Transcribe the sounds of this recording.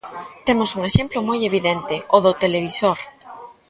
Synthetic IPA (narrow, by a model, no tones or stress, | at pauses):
t̪emʊsuŋeʃemplʊmojeβ̞iðent̪ɪoðʊt̪eleβ̞isoɾ